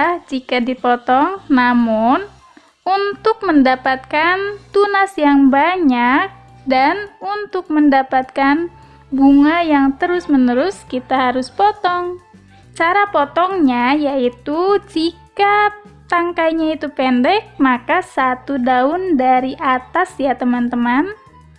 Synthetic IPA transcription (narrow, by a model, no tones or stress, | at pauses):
d͡ʒikadipɔt̪ɔŋnamʊn | unt̪ʊk̚məndapat̪̚kant̪unasjaŋbaɲak̚ | danunt̪ʊk̚məndapat̪̚kan | buŋajaŋt̪əɾʊsmənəɾʊskit̪aɦaɾʊspɔt̪ɔŋ | t͡ʃaɾapɔt̪ɔŋɲajait̪ud͡ʒikat̪aŋkajɲait̪upɛndɛk̚makasat̪udaʊndaɾiʔat̪asjat̪əmant̪əman